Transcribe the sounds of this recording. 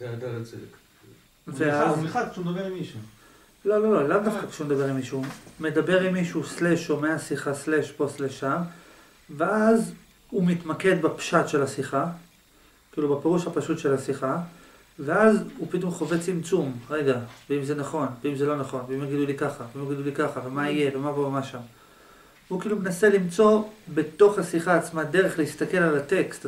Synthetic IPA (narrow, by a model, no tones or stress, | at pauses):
zed̪alat͡sek | veaazmiχakʃumed̪abeʁimiʃu | lo̞lo̞lo̞lavnafakʃeumed̪abe̞ʁimiʃume̞d̪abe̞ʁimːiʃusleʃomeasiχasleʃpo̞sleʃam | veaz | umit̪make̞d̪bapʃat̪ʃe̞lasiχa | kiːlubepe̞ʁuʃhapaʃut̪ʃe̞lasiχa | veazupit̪o̞mχo̞vet͡simt͡sumʁe̞ɡaveimze̞naχo̞nveimze̞lo̞naχo̞nveimjaɡid̪ulikaχaveimjaɡid̪ulikaχavemaije̞vemavoamaʃam | vukiːlumenase̞limt͡so̞be̞t̪o̞χhasiχaːt͡smade̞ʁeχlehist̪ake̞lalat̪e̞kst